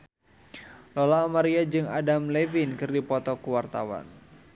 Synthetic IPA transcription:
lɔlaɔmaɾiad͡ʒɨŋa̰damlɛvinkɨrdipɔt̪ɔkuwart̪a̰wa̰n

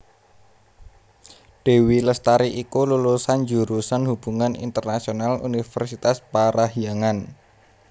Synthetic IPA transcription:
ɖ̥e̤wiləst̪aɾiʔikululusand͡ʒṳɾusanhub̥ṳŋanḭnt̪ərnasionalṵnifɛrsit̪aspaɾaɦiaŋan

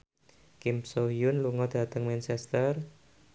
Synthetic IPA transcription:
kimsoijʊnluŋɔd̪̥a̤t̪əŋmɛnt͡ʃɛst̪ər

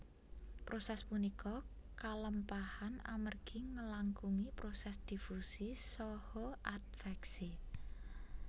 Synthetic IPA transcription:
pɾosɛspunikɔkaləmpahana̰mərɡ̥iŋəlaŋkuŋipɾosɛsd̪̥ifusisɔhɔʔat̪̚fɛksi

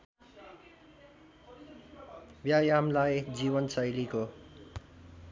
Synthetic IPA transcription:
bjajamlajd͡ziβʌnsʌjliko

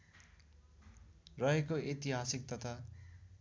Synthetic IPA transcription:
rʌɦekoet̪iɦasik̚t̪ʌt̪ʰa

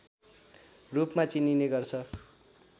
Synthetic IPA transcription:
rupmat͡sinineɡʌrt͡sʰʌ

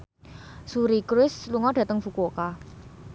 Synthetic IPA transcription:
suɾikɾɪsluŋɔɖ̥ä̤t̪əŋfukoka

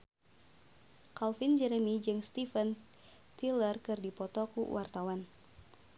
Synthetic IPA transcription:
kalfind͡ʒɛɾɛmid͡ʒɨŋst̪ifən | t̪ilərkɨrdipɔt̪ɔkṵwʔart̪awan

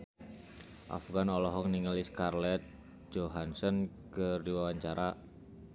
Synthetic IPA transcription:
ʔa̰fɡanɔlɔɦɔk̚niŋəliskarlɛt̪̚ | d͡ʒoɦansɔnkɨrdiwawaɲt͡ʃaɾa

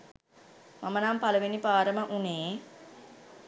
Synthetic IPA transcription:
mamənaːmpalɐʋinipaːɾəməʔuneː

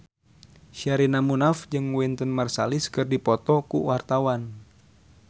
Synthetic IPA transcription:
ʃaɾinamunafd͡ʒɨŋwint̪ənmarsaliskɨrdipɔt̪ɔkṵwart̪awan

